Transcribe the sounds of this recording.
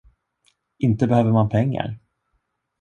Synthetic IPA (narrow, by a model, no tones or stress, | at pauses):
ɪnt̪əbɛhøːvəɾmanpʰɛŋːa̰ɾ